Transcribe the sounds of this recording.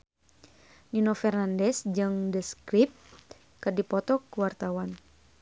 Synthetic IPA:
ninofɛrnandɛsd͡ʒɨŋdəskɾip̚t̪ | kɨrdipɔt̪ɔkuwart̪awan

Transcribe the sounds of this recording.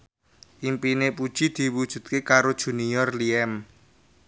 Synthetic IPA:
ʔimpinepud̥ʒ̥i̤d̪̥i̤wud̥ʒ̥ṳt̪̚kekaɾod̥ʒ̥ṳniɔrliɛm

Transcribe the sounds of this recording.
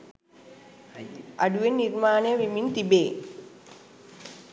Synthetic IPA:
aɖuʋenːiɾmaːnejəʋimint̪ibeː

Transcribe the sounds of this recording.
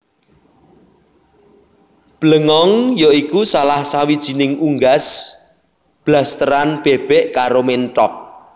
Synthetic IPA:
b̥ləŋɔŋjoikusalahsawid̥ʒ̥i̤nɪŋuŋɡas | b̥last̪əɾanb̥eb̥ɛʔkaɾomenʈɔk̚

